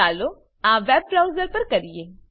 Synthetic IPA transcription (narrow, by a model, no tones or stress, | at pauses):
aːlo | ãːʋɛːb̚kɾaːʊzəɾpɐɾkɐɾieː